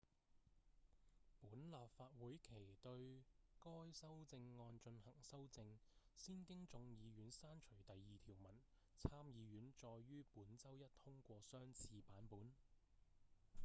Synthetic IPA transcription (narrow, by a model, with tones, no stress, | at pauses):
puː˨˥nlaː˨p̚faː˧t̚wuː˨˥jkʰe˨˩jt̪ɵ˧ɥkɔː˥jsɐ˥wt͡sɪ˧ŋːɔː˧nt͡ʃɵ˧nhɐ˨˩ŋsɐ˥wt͡sɪ˧ŋsiː˥nkɪ˥ŋt͡sʊ˧ŋjiː˨˧ɥyː˨˥nsaː˥nt͡ʃʰɵ˨˩ɥt̪ɐ˨jːiː˨t̪ʰiː˨˩wmɐ˨˩n | t͡sʰaː˥mjiː˨˧ɥyː˨˥nt͡ʃɔː˧jːyː˥puː˨˥nt͡sɐ˥wjɐ˥t̚t̪ʰʊ˥ŋkʷɔː˧sœː˥ŋt͡sʰiː˧paː˨˥npuː˨˥n